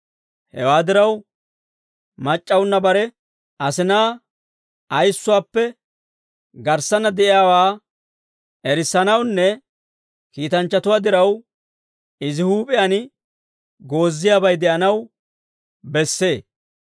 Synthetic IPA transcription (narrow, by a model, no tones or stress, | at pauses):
hɛ̰waːd̪ɪɾɐw | mɐt͡ʃʼːɐwʊnːɐbɐɾɛ | ʔɐsɪnaː | ɐjsːʊwaːpːɛ | ɡɐɾsːɐnːɐd̪ɛʔɪjaːwaː | ʔɛɾɪsːɐnɐwnːɛ | kiːt̪ɐnt͡ʃːɐt̪ʊwaːd̪ɪɾɐw | ɪzɪhuːpʼɪjɐnɪ | ɡo̞ːzːɪjaːbɐjd̪ɛʔɐnɐw | bɛsːe̞ː